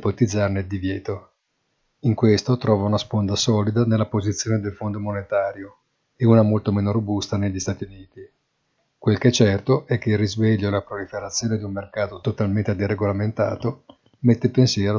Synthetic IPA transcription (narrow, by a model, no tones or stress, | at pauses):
pot̪id̪zːarneld̪ivjɛːt̪o | iŋkwest̪ot̪ɾɔːvaunaspond̪asɔːlid̪anelːapozit̪sːjoːned̪elfond̪omonet̪aːɾjo | euːnamolt̪omeːnoɾobust̪aneʎːist̪aːt̪iuniːt̪i | kwelkɛt͡ʃɛrt̪oʔɛk̟ːeilrːizveʎːoelapɾolifeɾat̪sːjoːned̪iummerkaːt̪ot̪ot̪alment̪ed̪ereɡolament̪a̰ːt̪o | met̪ːepensjɛːɾo